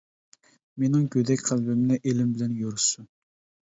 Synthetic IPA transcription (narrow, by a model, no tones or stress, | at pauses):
menɪŋkʲød̪ɛkʲqʰælbɪmnɛʔelɪmbɪlɛnjoɾsu